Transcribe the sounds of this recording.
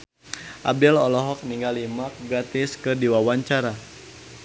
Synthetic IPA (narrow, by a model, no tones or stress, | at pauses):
ʔabɛlɔlɔɦɔk̚niŋɡalimak̚ɡɾat̪ɪskɨdiwawaɲt͡ʃaɾa